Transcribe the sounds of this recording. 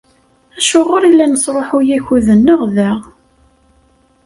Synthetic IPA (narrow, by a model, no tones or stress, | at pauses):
æʃʊʁʊɾilːænəsˤɾˤoħʊjæçuðənːəʁðæʁ